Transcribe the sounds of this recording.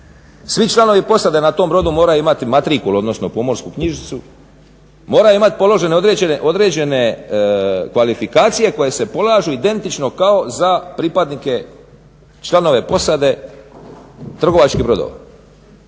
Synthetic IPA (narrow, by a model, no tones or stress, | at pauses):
sʋit͡ʃlˠano̞ʋipo̞sad̪e̞nat̪o̞mbɾo̞d̪umoːɾajuimat̪imat̪ɾikulo̞d̪nosno̞pomo̞ɾskukɲiʒit̪su | mo̞ːɾajuimat̪i̥po̞lˠo̞ʒe̞neod̪ɾeeʔo̞d̪ɾe̞d͡ʑe̞ne̞ | kʋalifikaːt̪sije̞ko̞je̞se̞po̞lˠaːʒuid̪e̞nt̪it͡ʃno̞kao̞zapɾiːpad̪nike̞ | t͡ʃlˠano̞ʋe̞po̞sad̪e̞ | t̪r̩ɡo̞ʋat͡ʃkibɾo̞d̪o̰ʋa̰